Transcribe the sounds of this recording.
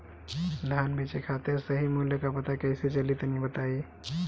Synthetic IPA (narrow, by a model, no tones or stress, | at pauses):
lɦanbʱet͡ʃekʰat̪eɾsəɦimuljəkapət̪akəɪset͡ʃəlit̪ənibət̪ai